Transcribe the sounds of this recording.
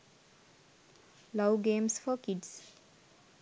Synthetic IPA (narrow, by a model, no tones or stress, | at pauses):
laʊɡẽmsfɔkids